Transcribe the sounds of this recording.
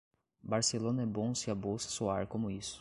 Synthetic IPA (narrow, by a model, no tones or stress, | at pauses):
baɾselõnɐɛbõsɪabowsɐ̥soaɾkõmʊisʊ̥